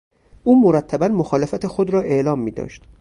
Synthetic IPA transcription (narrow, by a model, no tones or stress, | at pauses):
ʔuːmoɾæt̪ʰːæbænmoxɒːlefæt̪ʰexo̞d̪ɾɒːʔe̞ʔlɒːmːiːd̪ɒ̰ːʃt̪